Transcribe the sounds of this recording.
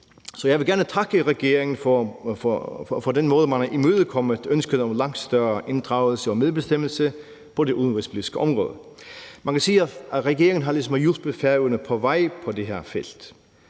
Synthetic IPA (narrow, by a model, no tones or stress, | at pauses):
sɒ̽jæɪʋɪlɡæɐnətʰɑ̈ɡ̥əʁɛɡ̥e̝ːʁɪŋn̩fɔ | fɒdenmɔːðˠəmænɑʔimøːðˠəkʰɒməð̥ønsɡ̥ənəɔmlɑŋd̥sd̪̥œɐʔe̝nd̥ʁɑ̈ʊl̩səɔmeðˠbesd̥eməl̩sə | pʰɔ̽deʔuðˠn̩ʋesliisɡ̥əʔɔmʁɔ̰ːðˠə | mænkʰæsiːæʁɛɡ̥e̝ɐɪŋn̩ɦɑ̈lisɔmjub̥əfæʊənəpʰɔ̽ʋæɪpʰɔ̽deɦeɐ̰feld̪̥